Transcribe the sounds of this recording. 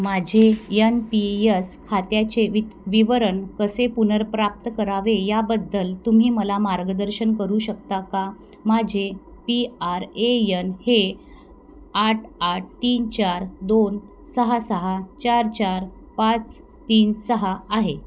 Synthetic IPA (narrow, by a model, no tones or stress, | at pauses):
mad͡ʑʱejənpiəs | hat̪jat͡ɕeʋiʋiʋəɾənkəsepunəɾpɾap̚t̪əkəɾaʋejabəd̪ːəlt̪um̤iːməlamaɾɡəd̪əɾɕənkəɾuːɕəkt̪aka | mad͡ʑʱe | piaɾejənhe | aʈʰaʈ̚t̪iːnt͡ɕaɾd̪on | səɦasəɦat͡ɕaɾt͡ɕaɾ | pat͡s | t̪iːnsəɦaːɦe